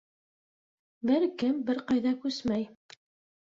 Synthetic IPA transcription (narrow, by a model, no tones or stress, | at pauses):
bɘɾkɘmbɘɾqɑjðɑkʉsmæj